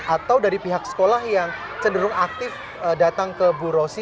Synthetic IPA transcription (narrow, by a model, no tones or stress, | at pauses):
ʔat̪awdaɾipiɦaksə̥kolahjaŋ | t͡ʃənduɾʊŋak̚t̪ɪf | ədat̪aŋkəbuɾosi